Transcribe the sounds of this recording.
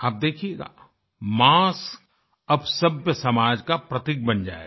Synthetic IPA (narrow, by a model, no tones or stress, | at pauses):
aːp̚d̪eːkʰieɡa̰ | maːsk | ɐbsɐbjəsɐmaːd͡ʒkapɾɐt̪ɪk̚bɐnd͡ʒa̰ːḛ